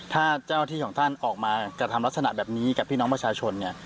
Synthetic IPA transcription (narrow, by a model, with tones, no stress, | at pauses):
t̪ʰaː˥˩t͡ɕaː˥˩a˧t̪ʰiː˥˩kʰɔː˩˦ŋt̪ʰa˥˩nʔɔː˨˩k̚maː˧kɾa˧t̪ʰa˧mla˦˥t̪̚sa˧a˨˩ʔbɛː˨˩p̚niː˦˥ka˨˩pʰːiː˥˩nɔː˦˥ŋpɾa˧t͡ɕʰaː˧t͡ɕʰo˧nːi˥˩ɐ